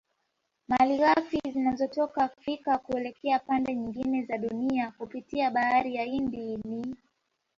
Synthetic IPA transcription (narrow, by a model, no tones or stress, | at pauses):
maliɣafizinazɔtɔkafikakuɛlɛkɛapandɛɲiŋɡinɛzaɗuniakupitiaɓaaɾijaindini